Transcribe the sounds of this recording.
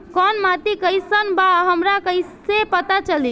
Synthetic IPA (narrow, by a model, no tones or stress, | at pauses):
kɔnmat̪ikəjsənbaɦəmɾakəisepət̪at͡ʃəli